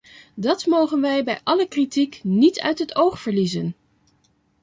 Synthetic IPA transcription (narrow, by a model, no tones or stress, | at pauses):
dɑtmowχənʋɛjbɛjʔɑləkritiknitʰœ̰ɥtɦətowχfəɹlizən